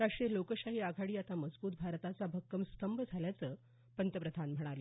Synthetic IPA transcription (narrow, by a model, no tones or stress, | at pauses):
ɾaʂʈɾelokəɕaɦiːaɡʱaɽiːat̪aməd͡zbuːt̪̚bʱaɾt̪at͡sabʱəkːəmst̪ʰəmbəd͡zʱaljat͡səː | pənt̪əpɾəd̪ʱanm̤əɽ̃alə